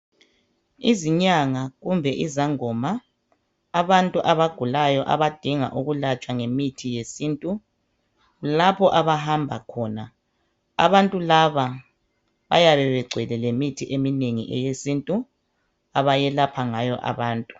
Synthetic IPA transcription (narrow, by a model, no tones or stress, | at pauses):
iziɲaŋaɣumbʱɛʔizaŋɔmaː | βantʼuʔaβaɡ̥ʱulajɔʔa̰βad̥ʱiŋa̰ʔuɣulat͡ʃʼwaŋemitʰijesiːntʼu | lapʰɔʔaβaɦambʱa̰kʰɔːna | a̰βantʼulaβa | βa̰jaβɛβɛɡ͡ǀʱɛlɛlemitʰiʔemineŋḭʔɛ̰jesintʼu | aβajɛlapʰaŋajɔʔa̰βaːntʼu